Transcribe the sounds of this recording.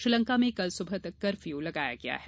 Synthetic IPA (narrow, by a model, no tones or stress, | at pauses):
ʃɾɪlə̃ŋkamẽkɐlsʊbʱət̪ɐkːɐɾfjulɐɡaːja̰ɡɐja̰ɦɛ